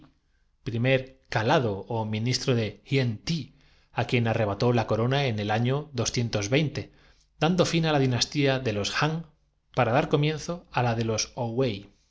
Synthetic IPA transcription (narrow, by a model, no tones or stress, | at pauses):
pɾime̞ɾkalað̞o̞ːmĩnist̪ɾoðe̞xient̪i | akje̞nare̞β̞at̪o̞lako̞ɾo̞nae̞ne̞laɲo̞ðo̞sθje̞nt̪o̞zβe̞jnt̪e̞ | d̪and̪o̞finalaðinast̪iaðe̞lo̞sxaŋ | paɾaðaɾko̞mjẽ̞nθo̞alaðe̞lo̞sowej